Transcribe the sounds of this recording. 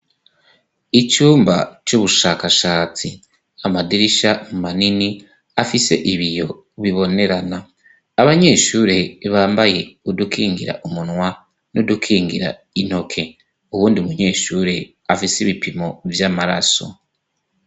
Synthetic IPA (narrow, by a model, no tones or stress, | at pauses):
icuːmbacuβuʃaːkaʃaːt͡si | amadiɾiʃamumanini | afise̞̰ʔiβijo̞ | βiβo̞ne̞ɾanaː | βaɲe̞ːʃuːɾe̞βaːmbaje̞udukʰiːŋɡiɾa̰ʔumunwa | nodukʰiːŋɡḭɾa̰ | ino̞kʰe̞ | uwuːndiumuɲe̞ːʃuːɾe̞ | afisiβipimo̞vjaːmaɾa̰so̞̰